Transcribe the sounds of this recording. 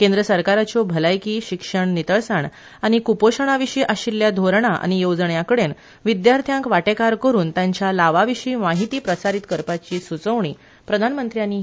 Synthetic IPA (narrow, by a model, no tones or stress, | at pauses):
kend̪ɾəsəɾkaɾat͡ɕɔbʱəlajkiːɕikʂəɳnit̪əɭsaɳ | aɽ̃ikupoɕəɳ̃aʋiɕiːʔaɕilːjad̪ʱoɾɳaʔa̰ñijod͡zɳjakəɽen | ʋid̪jaɾt̪ʰjãŋkʋaʈekaɾkəɾuːnt̪jaɲt͡ɕjalaʋaʋiɕiːmaɦit̪iːpɾəsaɾit̪kəɾpat͡ɕiːsut͡səʋɳiː | pɾəd̪ʱanmənt̪ɾjaniː